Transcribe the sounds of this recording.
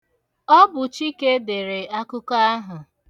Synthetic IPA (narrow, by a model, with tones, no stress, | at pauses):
ɔ˦bʊ˨t͡ʃi˦ke˦de˨ɾe˨a˦kʊ˦ka˦a˦ɦʊ˨